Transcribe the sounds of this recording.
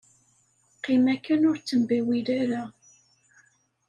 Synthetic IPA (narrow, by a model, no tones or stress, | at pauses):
qimækːənʊɾt͡sːəmbiwiɾæɾa